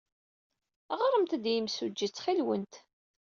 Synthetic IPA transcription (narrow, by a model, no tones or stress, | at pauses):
ʁəɾˤəmt̪æd̪jəmsud͡ʒːit͡sːχilwə̰nt̪